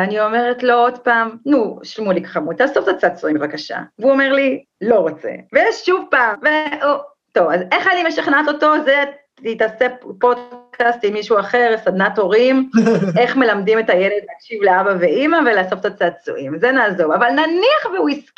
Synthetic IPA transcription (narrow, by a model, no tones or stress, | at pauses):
anio̞me̞ʁetloodpaːmnuʃlmulikḁχamut̪laːsoft̪at͡sat͡suimbevakaʃa̰vuome̞ʁli | lo̞ʁot͡sḛvejeʃʃuvpaːmve | to̞vazeχajalimeʃaχnato̞to̞ze | itasepo̞dkʰastimːiʃuaχeʁsad̪nato̞ʁime̞χme̞lamdimetajeled̪laakʃivleabaveimavelasoft̪at͡sat͡sṵʔimzenaːzo̞vavalnaniaχveuisk